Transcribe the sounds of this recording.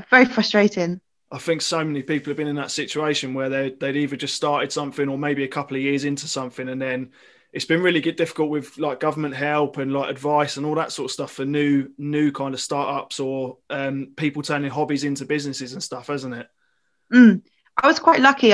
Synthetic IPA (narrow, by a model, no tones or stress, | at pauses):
vɛɹifɹʌstɹ̥eɪtɪ̃ŋ | ʔaɪθɪ̃ŋksəʊmɛnipiˑpl̩ˠəvbĩnɪ̃nðətsɪt͡ʃueɪʃə̃nwəðeɪðeɪɾiːvəd͡ʒʌststɑˑtɪd̥sʌ̃mθɪ̃ŋəmeɪbiəkʰʌpl̩ˠəvjɪəzɪ̃ntusʌ̃mθɪ̃ŋə̃nðə̃n | ɪtsb̥ɨ̃nɹɪːliɡɛd̥ɪfɪ̥kəlˠt̚wɪð̥laɪk̚ɡ̥ʌvəmə̃nʔɦɛlˠpə̃nlaɪkədvaɪsə̃nɔːlˠðətsɔˑtəv̥stʌfənjʉːnjʉːkʰãɪ̃ndə̥v̥stɑˑɹtʌ̰psəʌ̃mpʰiˑpəl̩ˠtʰɜːnɪ̃ŋɦɒbizɪ̃ntʉbɪznɪsɪzə̃nstʌfʌzə̃n̩tɪt̚ | m̩ | ʔaɪwɒz̥kʰw̥aɪʔlʌki